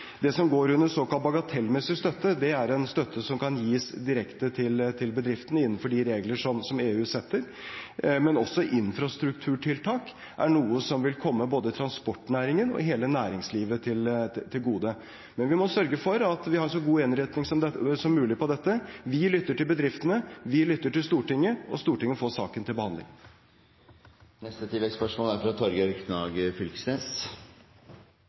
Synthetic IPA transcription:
d̪ɛsɔmɡoːɾʉnːəɾsoːkɑlt̪̚bɑɡɑt̪ʰɛlːmɛsːɪst̪œt̪ːəd̪ɛæɾɛnst̪œt̪ʰːəsɔmkʰɑnjiːsd̪ɪɾɛkt̪ət̪ʰɪlt̪ʰɪlbəd̪ɾɪft̪ən̩əɪnːənfɔɖɪɾeːɡləʂɔmsɔmeːʉːsɛt̪ːəɾ | mɛnɔsːɔʔɪnfɾɑst̪ɾʉkt̪ʰʉːʈʰɪlt̪ʰɑːk | ʔæɳuːəsɔmʋɪlkʰɔmːəboːd̪əɪt̪ʰɾɑnspɔʈːnæːɾɪŋənɔ̰ɦeːlənæːɾɪŋsliːʋət̪ʰɪlt̪ʰɪlɡuːd̪ə | mɛnʋɪmɔsœɾɡəfɔɾɑt̪ʋɪhɑɾʂɔɡuːɪnɾɛt̪nɪŋsɔmsɔmːʉːlɪpɔd̪ɛt̪ːəʋɪlʏt̪ːəʈɪlbəd̪ɾɪft̪ənəʋɪlʏt̪ːəʈɪlst̪uːʈɪŋːəɔst̪uːʈɪŋːəfoːsɑ̰ːkənt̪ʰɪlbəhɑnd̪lɪ̰ŋ | nɛst̪ət̪ʰɪlɛkspœʂmoːlæɾfɾɑt̪ʰɔɾɡɾknɑɡfʏlksneːs

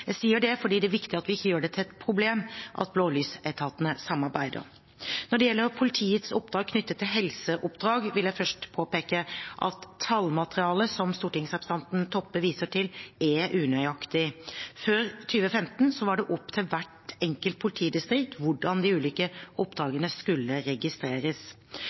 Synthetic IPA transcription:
jæɪsiːəɖɛfɔɖiːd̪ɛæʋɪkt̪ɪɑt̪ʋɪɪçːəjøːɖɛt̪ʰɪlɛt̪pʰɾʊbleːmʔɑ̰t̪̚bloːlyːsæɪt̪ʰɑːt̪ənəsɑmːɑɾbæɪd̪ə̰ɾ | nɔɖɛjɛlːəɾpʰʊlɪt̪ʰiːət̪sʊpd̪ɾɑːɡ̚kʰnʏt̪ːət̪ʰːɪlɦɛlsəʔʊpd̪ɾɑːɡʋɪljæɪfœʂʈpʰoːpeːkəʔɑ̰t̪ʰːɑlmɑt̪əɾɪɑːləsɔmst̪uːʈɪŋsɑbst̪ɑnt̪nt̪ʰɔpːəʋiːsəʈʰɪlɛʔʉːnœʏɑkt̪ɪføːɾt̪ʰyːʋəfɛmt̪nsɔʋɑɖɛʔɔpːt̪ʰɪlʋæʈɛŋkəlt̪̚pʰʊlɪt̪ʰiːd̪ɪst̪ɾɪkt̪ʋʊɖɑnd̪ɪʉːlɪkəʔʊpːd̪ɾɑːɡənəskʉlːəɾɛɡɪst̪ɾeːɾəs

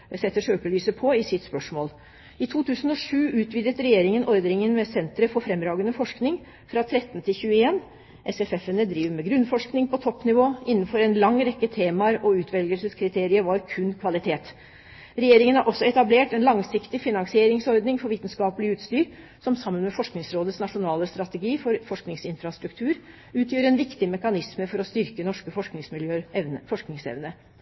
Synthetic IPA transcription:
sɛt̪ːəʂøːkəlyːsəpʰɔɪsɪt̪spœʂmoːl | ɪt̪ʰuːt̪ʰʉːsən̩ɔʂʉːʉːt̪ʋiːd̪ət̪ɾɛjeːɾɪŋənʔɔɾd̪nɪŋənmɛsɛnt̪ɾəfɔɾfɾɛmːɾɑːɡənəfɔʂknɪŋ | fɾɑt̪ʰɾɛt̪ːnt̪ʰɪlçʉːəeːn | ʔɛsɛfɛfənəd̪ɾiːʋmɛɡɾʉnfɔʂknɪŋpɔt̪ʰɔpːnɪʋoːɪnːənfɔɾɛnlɑŋːɾɛkːət̪ʰeːmɑɾɔʉːt̪ʰʋɛlɡəlsəskʰɾɪt̪ʰeːɾɪəʋɑɾkʰʉnkʰʋɑlɪt̪ʰeːt̪ | ɾɛjeːɾɪŋənhɑɾʔɔsːɔɛt̪ɑbleːʈɛnlɑŋsɪkt̪ɪfɪnɑnsɪeːɾɪŋsɔɾd̪nɪŋfɔɾʋiːt̪nskɑːpəlɪʉːt̪st̪yːɾ | sɔmsɑmːənmɛfɔʂknɪŋsɾoːd̪ət̪snɑʂʊnɑːləst̪ɾɑt̪ɛɡiːfɔɾfɔʂknɪŋsɪnfɾɑst̪ɾʉk̚t̪ʰʉːɾ | ʉːt̪ʰjiːʋəɾɛnʋɪkt̪ɪmɛkɑnɪsməfɔɾɔst̪ʏɾkənɔʂkəfɔʂknɪŋsmɪljøːəfɔʂknɪŋsɛ̰ʋnə

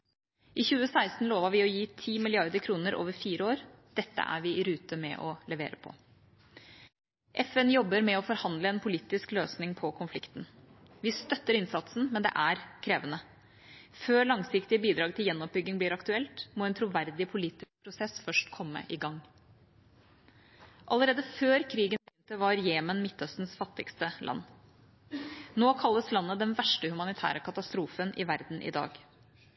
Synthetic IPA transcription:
ʔɪçʉːəsæɪst̪n̩loːʋɑʋɪɔjiːt̪ʰiːmɪlɪɑɾd̪əɾkʰɾuːnəɾʔo̰ːʋəɾfiːɾəoːɾ | d̪̥ɛt̪ːə̰ʔæ̰ɾʋɪɪɾʉːt̪əmɛ̰ʔɔlɛʋḛːɾəpʰɔ̰ | ʔɛfɛnjɔbːəɾmɛɔfɔɾhɑnd̪ləɛnpʰʊliːt̪ɪskløːsnɪŋpʰɔkʰʊnflɪkt̪n̩ | ʋɪst̪œt̪ːəɾɪnsɑt̪sn̩mɛnd̪ɛ̰ʔæɾkʰɾeːʋənə | føːɭɑŋsɪkt̪ɪəbiːd̪ɾɑːɡ̚t̪ʰɪljɛnːɔp̚bʏɡːɪŋbliːɾɑkt̪ʉɛlt̪moːɛnt̪ʰɾʊʋæɾd̪ɪpʰʊliːt̪ɪk̚pʰɾʊsɛsfœʂʈkʰɔmːə̰ʔɪɡɑŋː | ʔɑləɾeːd̪əføːɾkʰɾiːɡənbnt̪əʋɑɾjeːmənmɪt̪ːœst̪n̩sfɑt̪ːɪkst̪əlʔɑ̰nː | noːkʰɑlːəslɑnːəd̪ɛnʋæʂʈəhʉmɑnɪt̪ʰæ̰ːɾəkʰɑt̪ɑst̪ɾuːfənʔɪʋæɾd̪n̩ʔɪ̰d̪ɑ̰ːɡ

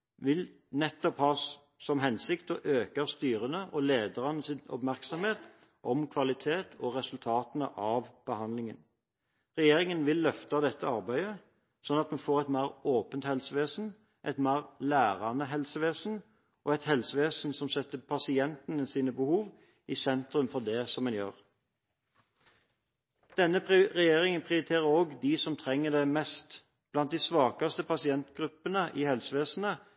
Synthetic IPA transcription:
ʋɪl | nɛt̪ːɔphɑː | sɔmɦɛnsɪkt̪ɔʔøːkəst̪yːɾənəʔɔleːd̪əʁɑnəsɪnɔ̰pmæʁksɔmheːt̪ | ʔɔmkʰʋɑlɪt̪ʰeːt̪ʰɔʁɛsʉlt̪ʰɑːt̪ənə̰ʔɑʋb̥əhɑnd̪lɪŋə̰n | ʁɛjeːɾɪŋənʋɪlːœft̪ɑd̪ɛt̪ːəɑʁbæɪə | sɔnːɑt̪mɛnfoːʁɛt̪mæːʁoːpənt̪hɛlsəʋeːsn̩ | ʔæt̪mæːʁlæːʁɑnəɦɛlsəʋeːsn̩ | ʔɔɛt̪hɛlsəʋeːsn̩sɔmsɛt̪ːəpʰɑsɪɛnt̪ənəsiːnəbəhuːʋ | ɪsɛnt̪ɾʉmfɔd̪ɛsɔmɛnjø̰ːʁ | d̪̥ɛnːəpʁɛjeːʁɪŋənpʰʁɪʊɾɪt̪ʰeːʁəɾoːɡd̪isɔmt̪ʰʁɛŋːəd̪ɛmɛst̪ | b̥lɑnt̪̚d̪ɪsʋɑːkɑst̪əpʰɑsɪɛnt̪ɡ̥ʁʉpːənəʔɪhɛlsəʋeːsn̩ə

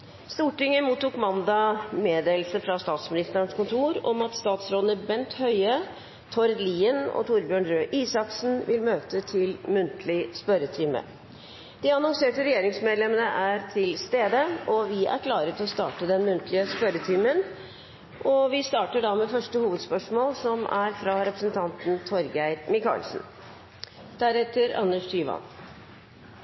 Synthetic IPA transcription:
st̪uːʈɪŋːəmuːt̪ːuːkmɑnd̪ɑmeːd̪eːlsəfɾɑst̪ɑːt̪smɪnɪst̪əɾənskʊnt̪ʰuːɾɔ̰mɑt̪st̪ɑːt̪sɾoːd̪nəbɛnt̪hœʏə | t̪ʰɔɾd̪liːənɔ̰t̪ʰuːɾbjøːɳɾøːʔiːsɑksn̩ʋɪlmøːt̪ət̪ʰɪlmʉnt̪ʰlɪspœɾət̪ʰiːmə̰ | d̪̥ɪɑnɑŋseːʈəɾɛjeːɾɪŋsmeːd̪lɛmənəʔæɾt̪ʰɪlst̪eːd̪əʔɔʋɪʔæ̰ɾkʰlɑːɾət̪ɔst̪ɑ̰ːʈəd̪ɛnmʉnt̪ʰlɪəspœɾət̪ʰymən | ʔɔʋɪst̪ɑːʈəɖɑmɛfœʂʈəhuːʋəd̪spœʂmoːlsɔmæɾfɾɑɾɛpɾəsn̩t̪ʰɑnt̪n̩t̪ʰɔɾɡæɪɾmɪkʰɑ̰ːlsn̩ | d̪̥æɾɛt̪ːəɾɑ̰nːəʂt̪ʰyːʋɑ̰n

